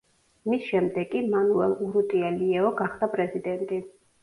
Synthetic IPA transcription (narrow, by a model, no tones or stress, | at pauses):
misʃɛmd̪ɛɡʼimanuɛlˠuɾut̪ʼialiɛɔɡaχd̪̥apʼɾɛzid̪ɛnt̪ʼi